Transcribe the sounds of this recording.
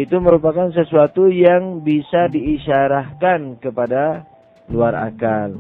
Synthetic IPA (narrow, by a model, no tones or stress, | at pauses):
it̪uməɾupakans̬əsuat̪ujaŋbisadiːʃaɾahkankəpada | luaɾa̰kal